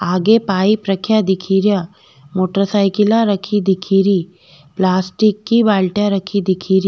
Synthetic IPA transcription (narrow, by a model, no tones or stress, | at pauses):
aːɡepaːipɾɐkʰjad̪ɪkʰiːɾja | moːʈəɾsaːɪkɪlaɾɐkʰid̪ɪkʰiːɾi | plaːsʈɪkːibaːlʈjaɾɐkʰid̪ɪkʰiːɾ